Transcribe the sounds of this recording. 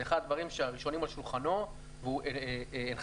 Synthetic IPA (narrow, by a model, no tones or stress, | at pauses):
eχadad̪vaʁimʃeaʁiʃo̞nimalʃulχano̞ | vuʔeen